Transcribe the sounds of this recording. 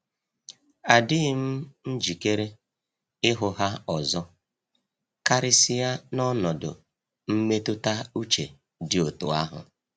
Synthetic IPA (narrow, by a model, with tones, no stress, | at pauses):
a˨dɪ˦ɪ˦m̩˦n̩˦d͡ʒi˨ke˦ɾe˦ | ɪ˦ɦʊ˨ɦa˦ɔ˨zɔ˦ | ka˦ɾɪ˦sɪ˦ja˦nɔ˦nɔ˨dʊ̰˨ | m̩˦me˦tʊ˦ta˦u˦t͡ʃe˨ | dɪ˨o˨tʊ̰˨a˦ɦʊ̰˨